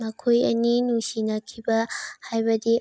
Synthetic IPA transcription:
mɐkʰojɐninusinɐkʰibɐhajbɐd̪i

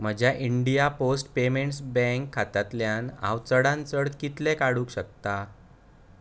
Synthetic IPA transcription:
m̤əd͡ʑʱjaʔiɳɖijaposʈpemeɳʈsbɛ̃ŋkʰːat̪at̪ljãna̰ʋt͡səɽãnt͡səɽt̪kit̪lekaɽuːkɕək̚t̪a

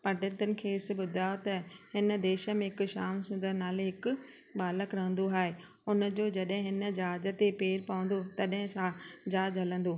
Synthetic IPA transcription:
pɐɖɪ̃t̪ʊnɪ̆kʰeːɪsɪ̆ɓʊd̪ʱaːjot̪ɐhɪn̆d̪eːʃəmẽɦɪkʃaːmsʊ̃nd̪əɾnaːleɦɪkʊ̆ | ɓaːləkɾɐɦə̃nd̪oɦaːɦe | ʊnəd͡ʑoːd͡ʑɐɗɦɪ̃ɦɪnd͡ʑaːd͡ʑə̆t̪epeːɾpɐʋə̃n̆d̪ot̪ɐɗɦɪ̃sãd͡ʑaːd͡ʑɦɐlə̃nd̪oː

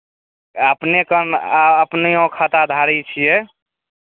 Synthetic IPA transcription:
əpnekənaəpneõkʰat̪ad̪ʱaɾit͡ʃʰijɛ

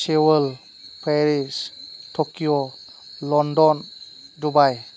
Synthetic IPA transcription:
sewəl | pʰeɾistʰɔkiɔ | lɔndɔn | dubaj

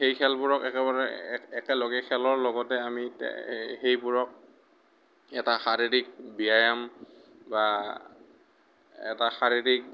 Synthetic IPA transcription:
xejkʰɛlbʊɹɔkɛkɛβaɹɛɛkɛloɡɛkʰɛlɔɹlɔɡɔtɛamitɛ̰hejbuɹɔk̚ | ɛtaxaɹiɹik̚bijajamba | ɛ̰taxaɹiɹik̚

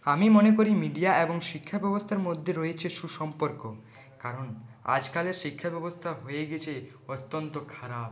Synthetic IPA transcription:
amimonekoɾimiɖiaeboŋʃikʰːabɛbost̪ʰaɾmod̪ʱːeɾojet͡ɕʰeʃuʃɔmpoɾko | kaɾona̰d͡ʑkaleɾʃikʰːabɛbost̪ʰaɦojeɡet͡ɕʰe | ot̪ːont̪okʰaɾab

